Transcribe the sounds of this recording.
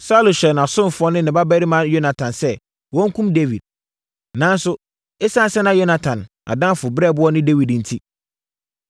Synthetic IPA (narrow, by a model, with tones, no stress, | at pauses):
sa˦lʊ˨ɕᶣɛ˨nã˨sʊ̃˦m˨fʊ˦ɔ˦nɪ̃˦nɪ̃˨ba˦bæ˦ɾi˦mã˦jo˦nã˨tʰã˨nsɛ˦ | wɔ̃˦ŋ̩˦kʰũ˦mde˦wḭ˨d̚ | nã˨˦n˦sʊ˦ | e˦sã˦˨sɛ˦nã˦jo˦na˨tʰã˨n | a̰˨dã˦fʊ˨bɾɛ˦˨bʊ˦ɔ˦nɪ̃˦de˦wi˨dn̩˨tʰi˦